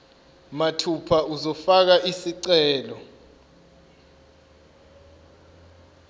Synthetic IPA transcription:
matʰupʰauzɔfak̬aʔisiǀɛːlɔ

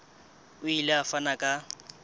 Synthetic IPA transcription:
ʊilɪafanakʼa

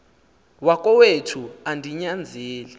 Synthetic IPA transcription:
wakʼɔwetʰuandʱiɲand͡zʱeːlɛ

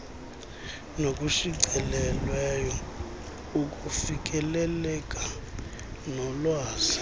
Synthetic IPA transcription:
nokʼuʃiǀɛlɛlwɛjɔ | ukʼufikʼɛlɛlɛkʼa | nɔlwaːsi̥

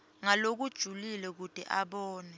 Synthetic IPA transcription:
ŋalok̬ud̥ʒ̥ʱulilɛk̬ud̥ʱḭʔaɓɔːnɛ

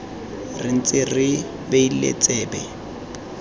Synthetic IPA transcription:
rɪn̩t͡sʼɪrɪ | beilḛt͡sʼɛːbɛ

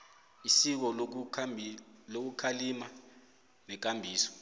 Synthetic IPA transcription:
isik̬ɔ | lok̬ukʰalima | nɛk̬ambʱiːsɔ̥

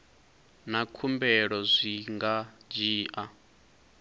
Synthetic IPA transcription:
nakʰumbɛɺɔzʷiŋɡad͡ʒiːʔa

